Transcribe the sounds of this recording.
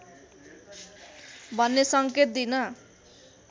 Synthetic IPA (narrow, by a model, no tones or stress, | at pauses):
bʱʌnːesʌŋket̪̚d̪inʌ